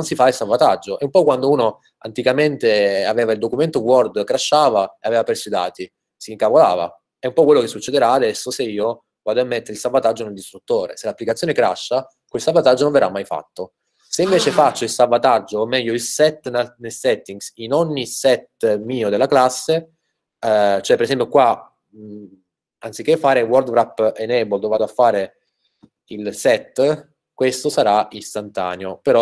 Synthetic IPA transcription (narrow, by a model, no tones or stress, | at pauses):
nsifailsalvat̪ad͡ʒːoʔɛumpɔkːwand̪ouːno | a̰nt̪ikament̪eaveːvaild̪okument̪owɔrd̪kɾaʃːaːvaeaveːvapɾesuid̪a̰ːt̪i | siŋkavola̰ːva̰ | ɛumpɔkːwelːokesːut͡ʃːed̪eɾaːd̪ɛsːoseiːo | ɡaːd̪oamːent̪eɾilsalvat̪ad͡ʒːoneld̪ist̪ɾut̪ːoːɾḛselapːlikat̪sjonekɾa̰ʃːa | kwelsalvat̪ad͡ʒːonõɱverʔamːajfa̰t̪ːo | seiɱveːt͡ʃefat͡ʃːoilsalvːat̪ad͡ʒːoːmːɛʎːoilsɛt̪ːnnelsɛt̪ːiŋɡsinoɲːisɛt̪miːod̪elːaklasːe | t͡ʃoɛpːeɾesɛmpjokwa | ant̪sikːefːaːɾewɔrd̪bɾapːenɛbold̪ovaːd̪oafːaːɾe | ilsɛt̪ː | kwest̪osaɾaist̪ant̪a̰ːneopeɾɔ